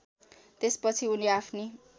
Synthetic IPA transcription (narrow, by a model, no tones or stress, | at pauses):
t̪espʌt͡sʰiuniapʰni